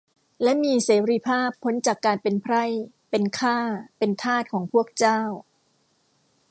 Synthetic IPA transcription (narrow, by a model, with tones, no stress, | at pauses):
lɛ˦˥miː˧seː˩˦ɾi˦˧˥pʰaː˥˩pʰːo˦˥nt͡ɕaː˨˩kːaː˧npe˧npʰɾa˥˩j | pe˧nkʰaː˥˩pe˧nt̪ʰaː˥˩t̪̚kʰɔː˩˦ŋpʰu˥˩ək̚t͡ɕaː˥˩w